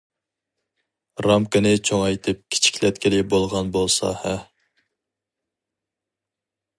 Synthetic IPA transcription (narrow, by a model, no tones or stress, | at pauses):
ɾɑmkɨnɪt͡ʃʰoŋɑjt̪ʰɨp̚kʲʰi̥t͡ʃʰi̥kʲlɛt̪kʲɪlɪbolˠʁɑnbolˠsɑ̰hɛ